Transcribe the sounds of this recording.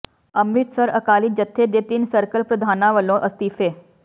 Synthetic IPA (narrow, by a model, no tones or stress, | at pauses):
ɐmːit̪səɾɐkaːlid͡ʒət̪ʰːed̪et̪iːnsəɾkəlpɾəd̪ʱaːnaʋəlõʔəst̪iːfeː